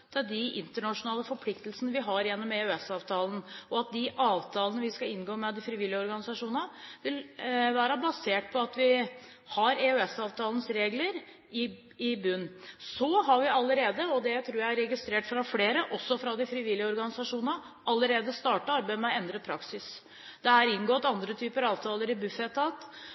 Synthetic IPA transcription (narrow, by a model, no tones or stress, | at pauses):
d̪̥æd̪ɪɪ̰nt̪əɳɑʂʊnɑːləfɔɾpʰlɪkt̪əlsənəʋɪɦɑɾjɛnːɔmɛʉɛsɑːʋt̪ʰɑːlənɔɑt̪̚d̪ɪʔɑːʋt̪ʰɑːlənəʋɪskɑɪnɡoːmɛd̪ɪfɾɪʋɪljəɔɾɡɑnɪsɑʂuːnnəʋɪlʋæːɾəbɑseːʈ̚pʰɔɑt̪ʋɪ | hɑɾɛøɛsɑːʋt̪ʰɑːlən̩sɾeːɡləɾ | ɪ | ɪbʉnːsɔɦɑɾʋɪɑlːəɾeːd̪əɔd̪ɛt̪ʰɾuːjæɪæɾɛɡɪst̪ɾeːʈfɾɑfleːɾəʔɔsːɔfɾɑd̪ɪfɾɪʋɪlːɪəɔɾɡɑnɪsɑʂuːnnə | ʔɑlːəɾeːd̪əst̪ɑːʈəɑɾbæɪmɛɔɛnd̪ɾəpʰɾɑksɪs | d̪̥ɛæɾɪnɡoːt̪ɑnd̪ɾət̪ʰyːpəɾɑːʋt̪ʰɑːləɾɪbʉfɛt̪ʰːɑːt̪